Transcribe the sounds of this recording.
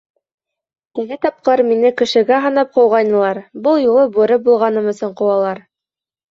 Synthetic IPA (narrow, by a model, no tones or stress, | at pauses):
t̪ɘ̆ɡɘt̪ɑp̚qɤɾminɘkɘ̆ʃɘ̆ɡæɦɤ̆nɑp̚qɤ̆wʁɑjnɤ̆lˠɑɾbɤlˠjulˠɤbʉɾɘbulˠʁɑnɤmɵ̆sɵɴqŏwɑlˠɑɾ